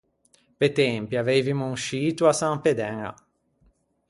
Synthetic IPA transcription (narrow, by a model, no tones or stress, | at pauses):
pet̪ɛmpjiavejvimuŋʃiːt̪uasamped̪ɛŋa̰